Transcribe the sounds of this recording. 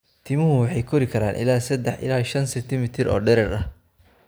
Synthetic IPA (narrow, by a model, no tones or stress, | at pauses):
t̪ʰiːmʊɦʊwɑħɑjkʰɔɾɪkʰɐɾaːnʔɪ̰laːsɐd̪ɛħʔɪ̰laːʃɐnsɐt̪ʰɪmɪt̪ʰɪɾɔ̰ːɖɛɾɛɾɐh